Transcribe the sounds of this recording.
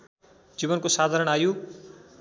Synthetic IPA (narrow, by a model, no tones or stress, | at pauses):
d͡ziβʌnkosad̪ʱaɾʌɽ̃aju